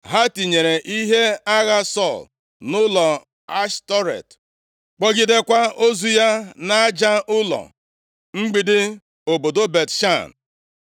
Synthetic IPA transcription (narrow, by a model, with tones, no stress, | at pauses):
ɦa˦ti˨ɲe˨ɾe˨ʔi˦ɦe˦a˦ɣa˦sɔ˦˨l | nʊ˦lɔ˨ | a˦ʃtɔ˦ɾḛ˨t | k͡pɔ˦ɡɪ˦de˦kʷa˦o˦zu˦ja˦na˦d͡ʒa˦ʊ˦lɔ̰˨ | ŋ͡m̩˦ɡ͡bi˨dɪ˦ | o˨bo˨do˦be˨tʃa˦˨n